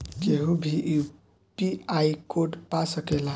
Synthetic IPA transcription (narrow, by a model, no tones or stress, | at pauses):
keɦubʱiʔu | piaikoɖpasəkela